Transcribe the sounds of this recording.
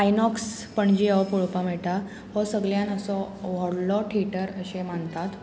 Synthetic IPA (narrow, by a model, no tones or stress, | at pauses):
ajnɔks | pəɳd͡ʑiəʋpuɭpamɛʈa | ɦɔsəɡljãnəsɔʋɔɽlɔʈʰeʈəɾəɕemaɳt̪at̪